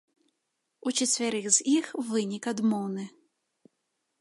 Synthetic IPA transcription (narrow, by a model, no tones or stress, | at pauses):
ut͡ʃɛt͡sʲvʲɛɾɨɣzʲixvɨnʲikad̪mɔwnɨ